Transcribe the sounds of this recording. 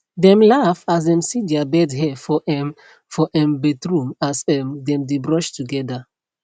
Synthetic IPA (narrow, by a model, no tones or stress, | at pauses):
dɛ̃mlafas̬dɛ̃msidɛabɛdɦɛfɔʔɛ | fɔʔɛ̃mbetɹũmasɛmdɛ̃mdebɹɔʃtuɡɛda